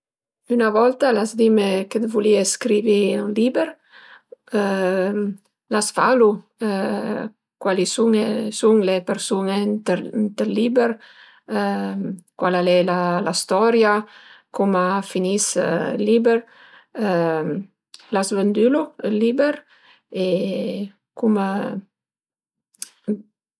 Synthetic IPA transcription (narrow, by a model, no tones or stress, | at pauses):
ynavɔlt̪alazd̪imeked̪vulieskɾiviulibeɾ | lasfalu | kwalisuŋsuŋlepeɾsunet̪nt̪elːibeɾ | kwalalɛlalast̪ɔɾjakumafinislibeɾ | lasvənd̪ylulibeɾ | e | kum